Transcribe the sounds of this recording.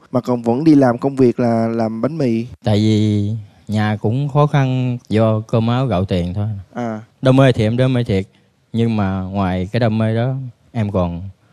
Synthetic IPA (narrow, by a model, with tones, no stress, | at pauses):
maː˨˩kɔ˨˩nvə̰˧˥nɗi˧laː˨˩mkə˧wŋ͡mvi˨˩ək̚laː˨˩laː˨˩mɓa˨˦ŋmḭ˧˨t̪a̰ː˧˨jvi˨˩ | ɲaː˨˩kʊ̰˧˥ŋ͡mxɔ˨˦xa˧nzɔ˧kəː˧mʔaː˨˦wɣə̰˧˨wt̪ḭ˨˩ənt̪ʰo˧jʔaː˨˩ɗə˧wŋ͡mmeː˧jt̪ʰi˨˩ʔɛ˧mɗə˧˦me˧jt̪ʰi˨˩ət̚ | ɲɨ˧ŋmaː˨˩ŋwaː˨˩jkaː˨˦jɗə˧wŋ͡mme˧ɗɔ˨˦ | ʔɛ˧mkɔ˨˩n